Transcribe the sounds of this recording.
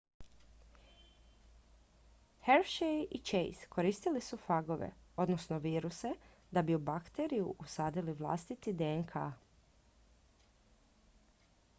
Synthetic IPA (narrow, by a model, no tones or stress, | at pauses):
heɾʃejʔit͡ʃḛjskʰo̞ɾiːst̪ilisufaɡo̞ʋḛo̞d̪nosno̞ʋiːɾuse̞ | d̪abiubakt̪eɾijṵʔusaːd̪iliʋlˠa̰st̪it̪id̪enkʰa̰